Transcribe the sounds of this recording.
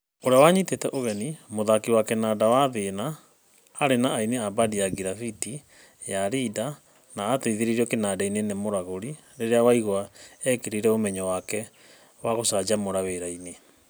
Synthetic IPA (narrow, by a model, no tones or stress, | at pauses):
oɾeawaɲitetɛʔoɣɛnimoðakiwakɛnaːdawaðenaː | ɾenaːineabadijaɡiɾafiti | jaɾida | naːtaiðeɾiɾiɔkenaːdainenemoɾaɣoɾi | ɾeɾeawaiɣwaɛkeɾiɾɛomɛɲɔwakɛ | waɣosaːd͡ʒamoɾaweɾaine